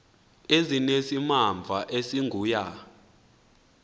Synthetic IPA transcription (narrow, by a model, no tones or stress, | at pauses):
ezinesimaɱb̪vʱaʔesiŋɡʱuːja